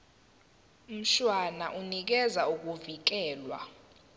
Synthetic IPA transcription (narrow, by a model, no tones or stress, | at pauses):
m̩ʃwanaʔunik̬ɛzauk̬ʼuvik̬ɛːlwa̰